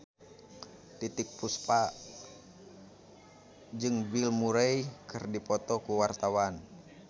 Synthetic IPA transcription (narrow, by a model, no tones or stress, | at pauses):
t̪it̪ik̚puspa | d͡ʒɨŋbilmuɾejkɨrdipɔt̪ɔkuwart̪awan